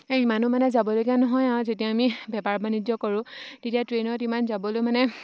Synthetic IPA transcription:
eimanumanɛzabɔlokijanɔɦɔjaʊ̃zetijaːmibʱɛpaɹbanidjɔkɔɹʊ̃tetijatɹenɔtimanzabɔlojmanɛ

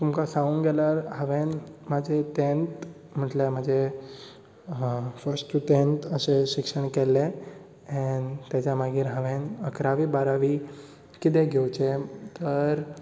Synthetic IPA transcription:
t̪umkasãũnɡɛlaɾɦəʋenmad͡ʑʱet̪ẽnt̪ | m̤əʈleməd͡ʑʱe | fəɾsʈʈut̪ẽnt̪əseɕikʂəɳkɛlːe | nt̪jat͡ɕjamaɡiːɾɦəʋẽnəkɾaʋiːbaɾaʋiː | kit̪̬ẽɡʱewt͡ɕet̪əɾ

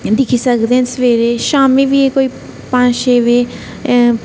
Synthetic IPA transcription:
d̪ɪkʰisəkd̪eɦɛ̃nsʋeːɾeʃaːmibiekoːi | pãːt͡ʃʃeːʋe

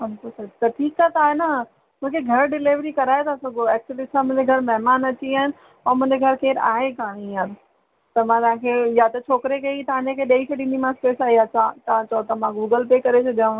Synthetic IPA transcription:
ɐnkosɐt̪ɐʈʰiːkaːet̪aːɦena | mʊ̃ɦkʰeɡʱɐɾɖɪleʋɾikɐɾaːet̪ʰaːsɐɡoɛːk̚t͡ɕəlɪsãmʊ̃ːɲd͡ʑeɡʱɐɾmɐɦɪmaːnɐt͡ɕiaːɦɪnɪ̆ | ɐmʊ̃ɦɪ̃ɲd͡ʑeɡʱɐɾkeːɾa̰ːɦekãːɽ̃ĩaːd̪ | t̪ɐmãt̪ɐãkʰejat̪ɐt͡ɕʰoːkɾekɐit̪ɐʋ̤ãːɲd͡ʑekʰeɗeːisʰeɖĩnd̪imãspeːsaːɦiaːt͡ɕãt̪ɐãt͡ɕɐot̪ɐmãɡuːɡəlpeːkɐɾesʰɐɗiũ

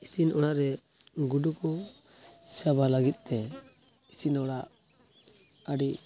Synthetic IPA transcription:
isinɔɽaʔɾɛ | ɡuɖukɔ | sabalaɡit̪̚t̪ɛ | isinɔɽaʔ | aɖiʔ

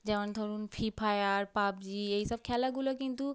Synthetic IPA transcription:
d͡ʒɛmand̪ʱɔɾunfʰipʰajaɾpap̚d͡ʑieisɔb̚kʰɛlaɡulokint̪u

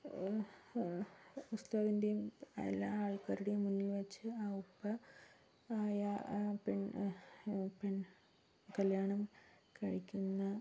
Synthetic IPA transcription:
ust̪aːʋind̪ijumḛlːaaːɭkɐɾuɽejmunːilʋɐt͡ɕːɨaːupːɐ | aːjapeɳ | peɳ | kɐljaːɳɐm | kɐɻikʲːunːɐ

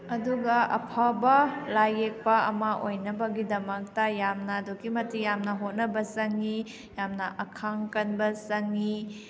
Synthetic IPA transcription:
ɐduɡɐɐ̰pʰabɐlajek̚pɐɐ̰mɐʔojnɐbɐɡidɐmɐk̚tɐjamnɐdoɡimɐtijamnɐɦot̚nɐbɐsɐŋi | jamnɐʔɐkʰaŋkɐnbɐsɐŋi

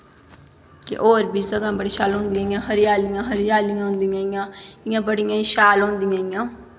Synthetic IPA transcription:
kḛʔoːɾbiːsəɡãːbəɽiːʃaːlɦʊ̃nd̪ijãːɪjãːɦəɾɪjaːlɪjãːɦəɾɪjaːlɪjãːɦʊ̃nd̪ijãːɪjãːɪjãːbəɽɪjãːiʃaːlɦõnd̪ɪjãːɪjãː

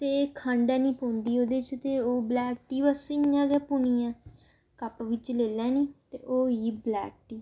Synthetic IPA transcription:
t̪eːkʰãɳɖɛ̃ːnĩːpõːnd̪iːoːd̪eːt͡ʃt̪eːoːblɛːk̚ʈiːʋəsiãːɡɛːpuniːãː | kəpʋɪt͡ʃleːlɛ̃ːnĩːt̪ḛːʔoːiːblɛ̰ːk̚ʈiː

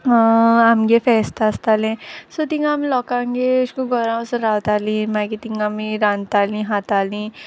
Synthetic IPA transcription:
amɡefɛst̪ast̪alẽsɔt̪ĩŋɡamilɔkãŋɡeskũɡɔɾãsəɾawt̪alĩmakit̪iŋɡamiɾãnt̪alĩɦat̪alĩ

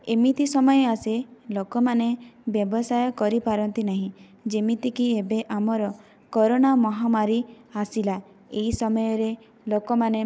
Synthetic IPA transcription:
emit̪isɔmɔjɔaselokɔmanebjɔbɔsajɔkɔɾipaɾɔnt̪inaɦĩ | d͡ʒemit̪ikiebeʔamɔɾɔ | kɔɾonamɔɦamaɾi | asila | eɦisɔmɔjɔɾe | lokɔmane

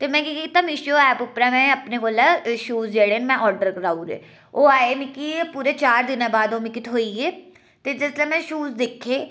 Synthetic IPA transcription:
t̪eːmɛ̃ːkiit̪aːmɪʃoːɛːpʊpɾɛːmɛ̃ːəpneːkoːlaːʃuːzd͡ʒeːɽeːnmɛ̃ːʔɔːɾɖəɾkəɾaːuːɾḛː | oːaːeːmɪkipuːɾeːt͡ʃaːɾd̪ɪnãːbaːd̪oːmɪkit̪ʰɦoːiːeː | t̪eːd͡ʒɪslɛ̃ːmɛ̃ːʃuːzd̪ekʰːeː

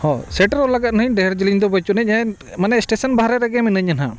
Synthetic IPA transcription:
hɔ̃sɛʈəɾɔlaɡat̪̚nəɦiɲɖɛɾd͡ʒiliɲd̪ɔbət͡ʃunɛc̚ˀa | manɛsʈesənbaɦɾɛɾɛɡɛminəɲana̰

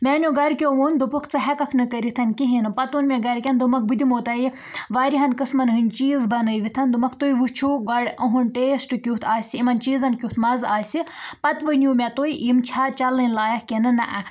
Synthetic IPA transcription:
mʲɛːnʲjoɡɐɾkʲoʋond̪upukʰt͡sɨɦɛkɐkʰnɨkəɾit̪ʰɐnkiɦinɨpɐt̪onmʲɛɡɐɾkʲɐnd̪umɐk̚bɨd̪imoːt̪ɐji | ʋaːɾiɦɐnkɨsmɐnɦɨnʲt͡ʃiːzbɐnɨjʋit̪ʰɐnd̪umɐkʰt̪ojʋut͡ʃʰuɡɐɽɐɦunʈeːsʈɨkʲut̪ʰaːsʲiimɐnt͡ʃiːzɐnkʲjut̪ʰmɐzaːsʲipɐt̪ʋɨnʲjumʲɛt̪oiʔimt͡ʃʰat͡ʃɐlːɐnʲlaːjɐkʲenɨnɐ̰ʔɐ

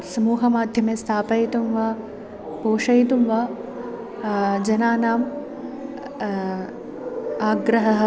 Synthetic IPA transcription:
sɐmuːɦɐmaːd̪ʱjɐmest̪ʰaːpɐjt̪umʋɐ | poːʂɐjt̪umʋɐ | d͡ʒɐnaːnaːm | aːɡɾɐɦɐɦɐ

